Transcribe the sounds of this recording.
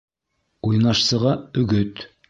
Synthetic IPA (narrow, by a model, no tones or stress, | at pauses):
ujnɑʃsɤ̆ʁɑɵ̆ɡɵt̪